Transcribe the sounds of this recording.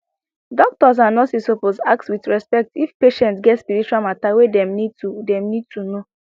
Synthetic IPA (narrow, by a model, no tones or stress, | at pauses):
dɔk̚tɔs̬anɔtisoposak̚tswitɹɛspɛk̚tifpeʃɛ̃ntsɡɛtspiɹit͡ʃualmatawedɛ̃mnid̚tudɛ̃mnid̚tʰuno